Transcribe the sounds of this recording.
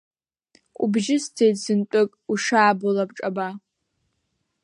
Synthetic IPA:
ṵbʒɪstʰejzɨntʷʼʊkʼuʂaːbolapʈ͡ʂʼɐba

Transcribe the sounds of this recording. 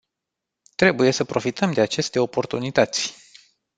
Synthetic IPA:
t̪ɾe̞buje̞səpɾo̞fit̪əmd̪e̞at͡ʃe̞st̪e̞o̞po̞rt̪unit̪ət̪sʲ

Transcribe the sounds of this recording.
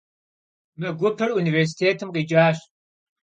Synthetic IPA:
mɐɡʷʊpʰɐɽunivers̬i̥t̪ʰeːtʰɨmqid͡ʒaːɕ

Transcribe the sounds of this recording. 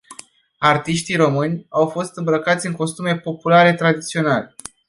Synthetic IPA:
art̪iʃt̪iɾo̞mɨnʲawfo̞st̪ɨmbɾəkat̪sʲɨŋko̞st̪ume̞po̞pulaɾe̞t̪ɾad̪it̪sio̞nale

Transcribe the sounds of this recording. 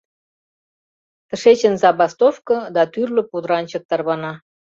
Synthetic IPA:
t̪ə̆ʃet͡ɕə̆nzɑbɑst̪ofkɤ̆d̪ɑt̪yrlə̆pud̪ɾɑnʲt͡ɕə̆k̚t̪ɑrβɑnɑ

